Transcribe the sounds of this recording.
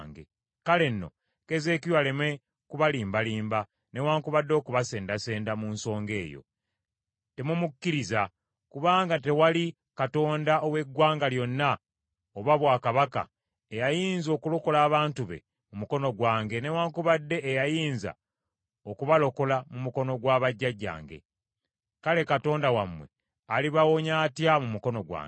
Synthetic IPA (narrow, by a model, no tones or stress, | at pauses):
ŋɡḛ | kale̞nːo̞̰ | ke̞ze̞ːkijwaleme̞ | kuβaliːmbaliːmba | ne̞waːŋkuβadːo̞ːkuβase̞ːndase̞ːndamuːnso̞ːŋɡe̞ːjo̰ | te̞mumukːiɾiza | kuβaːŋɡate̞wali | kato̞ːndaʔowe̞ɡwaːŋɡaljo̞nːa | oβaβwaːkaβaka̰ | ejajiːnzo̞ːkulo̞ko̞laːβaːntuβe̞̰ | mumuko̞no̞ɡwaːŋɡe̞ne̞waŋkuβadːe̞ʔːjajiːnza̰ | okuβalo̞ko̞lamumuko̞no̞ɡwaːβaɟːaɟːa̰ːŋɡe̞̰ | kale̞kato̞ːndawamːwe̞̰ | aliβawo̞ɲaːtjamumuko̞no̞ɡwa̰ːŋɡe